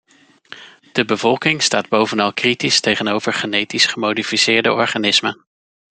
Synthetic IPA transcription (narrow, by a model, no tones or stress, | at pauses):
d̥əbəvɔlˠkɪŋstaːd̚bowvənɑlˠkritistejχənowvəɹχənejtisχəmowdifisɪːɹdə̰ʔɔɹχaːnɪsmə